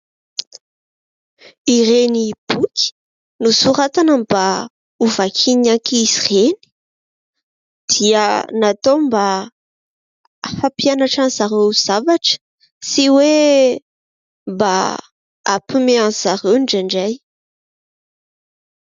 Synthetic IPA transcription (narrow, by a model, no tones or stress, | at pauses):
iɾenib̥ukʰi̥ | nusuɾat̪anamb̥a | uvakʰinaŋkisireni̥ | d̪̥iənat̪omba | fapjanaʈ͡ʂanzaɾewz̥avaʈ͡ʂə̥ | siwe | mba̰ | a̰pimeanz̥aɾewɳɖ͡ʐaɳɖ͡ʐaj